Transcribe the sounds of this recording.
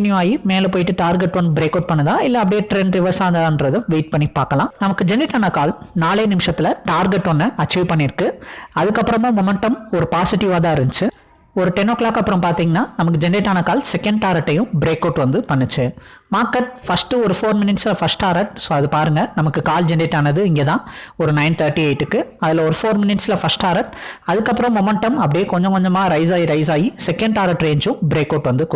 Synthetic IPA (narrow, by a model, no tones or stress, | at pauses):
njuaːjimeːlɛpoːjɪʈːɯʈaːɾɡɛʈːʋɐnd̪ɯbɾeːkːɐːʈ̚pɐɳːɐðãːɪlːɐɐpɐɽijɐʈɾɛɳɖɾɪʋɐɾsaːŋɡ̪ɐðãːnɾɐðɯʋeːʈ̚pɐɳːipaːɾkɐlãːnɐmɐkːɯd͡ʒɛnɪʈːaːnɐkaːlnaːlɐjnɪmɪʂɐt̪ːɪlɐʈaːɾɡɛʈːɔnːɐɐt͡ʃːiʋpɐɳːɪɾɯkːɯɐðɯkːɐpːɯɾɐmõːmɔmɛɳʈɐmɔɾɯpaːsɪʈɪʋaːt̪ãːɪɾɯnɯt͡ʃːɯ | ɔɾɯʈɛnoːkːlaːkːɐpːɯɾɐmpaːɾt̪iːŋɡɐnːaːnɐmɐkːɯd͡ʒɛnːiʈːaːnɐkaːlsɛkːɐɳɖ̚ʈaːɾɐʈːɐjʊ̃bɪɾeːkɐːʈʋɐnd̪ɯpɐɳːɯt͡ʃːɯmaːɾkɐʈ̚fɐsʈɯɔɾɯfoːɾmɪnɪʈslɐfɐsʈaːɾɐʈsoːɐðɯpaːɾɯŋɡɐnɐmɐkːɯkaːld͡ʒɛnɖeʈːaːnɐðɯɪŋɡeːt̪ãːɔɾɯnɐɪnt̪ʰɐːɾʈːiɐɪʈːɯkːɯɐðɪlɐɔɾɯfoːɾmɪnɪʈsɪlɐfɐsʈaːɾɐʈɐðɯkːɐpːɯɾɐ̃mɔmɛɳʈɐmɐpːɐɽɪjeːkɔɲd͡ʒɔ̃ŋkɔɲd͡ʒɐmaːɾɐɪsaːjiɾɐɪs̬aːjisɛkːɛɳɖaːɾɐʈɾeːɲd͡ʒʊ̃bɪɾeːkːɐːʈʋɐnd̪ɯk